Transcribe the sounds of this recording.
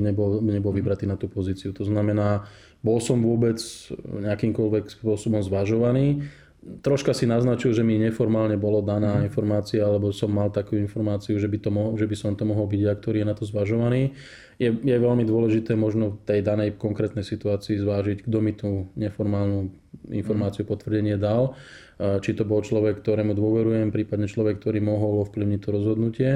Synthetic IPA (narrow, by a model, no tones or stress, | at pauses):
ɲɛbɔlɲɛbɔlʋibɾat̪iːnat̪uːpɔziːt͡siut̪ɔznamɛnaː | bɔlsɔmʋʊɔbɛt͡sɲɛakiːmkɔlʋɛkspʊɔsɔbɔmzʋaʒɔʋaniː | t̪ɾɔʃkasinaznat͡ʃilʒɛmiɲɛfɔɾmaːlɲɛbɔlɔd̪anaːinfɔɾmaːt͡siaalɛbɔsɔmːalt̪akuuinfɔɾmaːt͡siuʒɛbit̪ɔmɔɦʒɛbisɔmt̪ɔmɔɦɔlbiɟak̚t̪ɔɾiːjɛnat̪ɔzʋaʒɔʋaniː | jɛjɛʋɛlmid̪ʊɔlɛʒit̪ɛːmɔʒnɔft̪ɛjd̪anɛjkɔŋkɾɛːt̪nɛjsit̪uaːt͡siːzʋaːʒiɟɡd̪ɔmit̪uɲɛfɔɾmaːlnu | ḭnfɔɾmaːt͡siupɔt̪ʋr̩ɟɛɲɪɛd̪al | t͡ʃit̪ɔbɔlt͡ʃlɔʋɛkːt̪ɔɾɛːmud̪ʊɔʋɛɾujɛmpɾiːpad̪ɲɛt͡ʃlɔʋɛk̚ːt̪ɔɾiːmɔɦɔlɔfpliʊɲic̚ʲt̪ɔɾɔzɦɔd̪nucɪɛ